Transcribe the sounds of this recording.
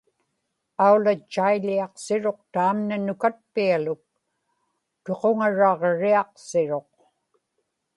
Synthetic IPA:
aulat͡ʃːailiɑqsɪɻo̞q̚t̪aːmnanʊkat̪̚pialʊk̚ | t̪e̞qoŋaɻɑʁɻiɑqsɪɻo̞q

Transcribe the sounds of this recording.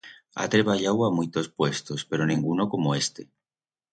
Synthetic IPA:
a̰t̪ɾeβaʎawamujt̪o̞spwe̞st̪ospe̞ɾonĩŋɡuno̞ko̞moe̞st̪e̞̥

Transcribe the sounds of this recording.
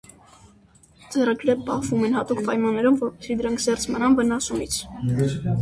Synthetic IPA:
d͡zɛrɑɡɾɛp̚pɑhvumɛnhɑt̪ukpɑjmɑnːɛɾumvɔɾpɛ̥sid̪əɾɑŋkʰzɛrt͡sʰmənɑnvənɑsumit͡sʰ

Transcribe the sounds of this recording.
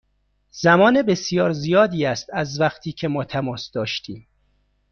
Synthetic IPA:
z̥æmɒːnebesjɒːɾzijɒːd̪iːæst̪æzvæχt̪ʰiːcʰe̞mɒːt̪ʰæmɒːsd̪ɒːʃt̪ʰiːm

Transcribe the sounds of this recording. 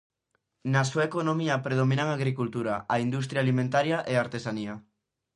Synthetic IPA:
nasuaekonomiapɾeð̞omĩnaŋaɣɾikult̪uɾaaind̪ust̪ɾjalimẽnt̪aɾjaʔeaɾt̪esania

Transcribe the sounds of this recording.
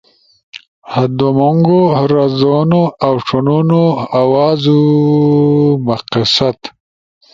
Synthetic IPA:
had̪omoŋɡoɾazonoawʂununoawaːzu | maqisat̪

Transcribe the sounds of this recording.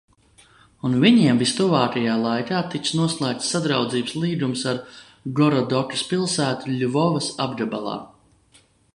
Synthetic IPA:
unviɲiɛmvist̪uvaːkajaːlˠajt̪ʲaːt̪iksnuɔslˠaːk̚t̪ːad̪ɾawd̪ziːbəslˠiːɡ̪umsaɾ | ɡɔɾɔd̪ɔkispilˠsæːt̪uʎʲuvɔvɐsabd̪abalˠɑ̰ː

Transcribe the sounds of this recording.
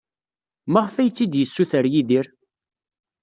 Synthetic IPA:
mæʁfæjt͡sːid̪jəsːuθəɾjiðiɾ

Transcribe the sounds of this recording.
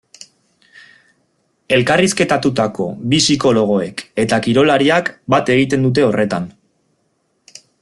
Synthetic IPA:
e̞lkariske̞t̪at̪ut̪ako̞̰βisiko̞lo̞ɣ̞o̞e̞ke̞t̪akiɾo̞laɾiakbat̪e̞ɣ̞it̪e̞nd̪ut̪̬e̞o̞re̞t̪an

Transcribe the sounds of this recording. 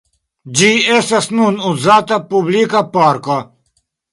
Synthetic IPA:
d͡ʑiesɐsnunuzaːt̪ɐpublikapaːɾka

